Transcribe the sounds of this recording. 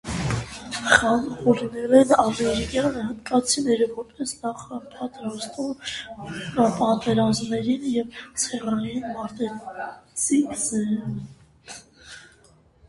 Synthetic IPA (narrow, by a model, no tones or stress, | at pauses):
χɑnʁuɾnɛlɛnɑmɛɾikjɑnəhənd̪kɑt͡sʰinɛɾəvɔɾpɛsnɑχəpʰɑt̪ɾɑzt̪um | pɑt̪ɛɾɑzmnɛɾinjɛvt͡sʰɛrɑjinmɑɾt̪ɛɾt͡sizɛ